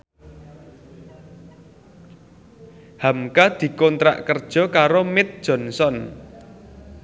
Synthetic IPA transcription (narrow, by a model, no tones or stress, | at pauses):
hamkad̪̥i̤kɔnt̪ɾa̰ʔkərd̥ʒ̥ɔ̤kaɾomɪt̪̚d̥ʒ̥ɔ̤nsɔn